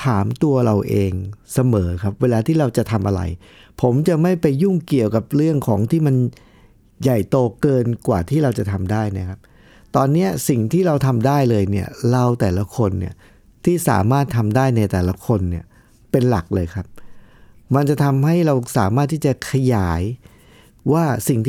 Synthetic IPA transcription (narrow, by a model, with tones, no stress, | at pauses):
t̪ʰaː˩˦mt̪u˧ɐɾa˧wʔeː˧ŋsa˧mɤː˩˦kʰp̚weː˧laː˧t̪ʰiː˥˩ɾa˧wt͡ɕa˨˩t̪ʰa˧mʔa˧ɾa̰˧jpʰo˩˦mt͡ɕa˨˩ma˥˩jpa˧jːu˥˩ŋki˨˩əwka˨˩p̚ɾɯ˥˩əŋkʰɔː˩˦ŋt̪ʰiː˥˩ma˧n | ja˨˩jt̪oː˧kɤː˧nkwaː˨˩t̪ʰiː˥˩ɾa˧wt͡ɕa˨˩t̪ʰa˧mdaː˥˩jna˦˥kʰa˦˥p̚ | t̪ɔː˧nːi˦˥ɐsi˨˩ŋt̪ʰiː˥˩ɾa˧wt̪ʰa˧mdaː˥˩jlɤː˧jni˥˩ɐɾa˧wt̪ɛː˨˩la˦˥kʰo˧nːḭ˥˩ɐ | t̪ʰiː˥˩sa̰ː˩˦maː˥˩t̪ʰːa˧mdaː˥˩jna˧jt̪ɛː˨˩la˦˥kʰo˧nːi˥˩ɐ | pe˧nla˨˩k̚lɤː˧jkʰa˦˥p̚ | ma˧nt͡ɕa˨˩t̪ʰa˧mɦa˥˩jɾa˧wsaː˩˦maː˥˩t̪ʰːiː˥˩t͡ɕa˨˩kʰa˧jaː˩˦j | waː˥˩si˨˩ŋt̪ʰ